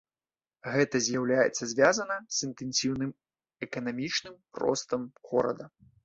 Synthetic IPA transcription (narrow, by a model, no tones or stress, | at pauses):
ɣɛt̪ɐzʲjawlʲajɛt̪sːɐzʲvʲazɐnɐz̥ɨnt̪ɛnʲsʲiwnɨm | ɛkɐnamʲit͡ʂnɨm | rɔ̰st̪ɐmɣɔ̰ɾɐ̰d̪ɐ